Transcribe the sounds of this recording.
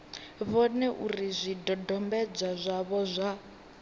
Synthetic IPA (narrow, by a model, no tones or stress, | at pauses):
βɔnɛʔurizʷidɔdɔmbɛd͡zazʷaβɔzʷa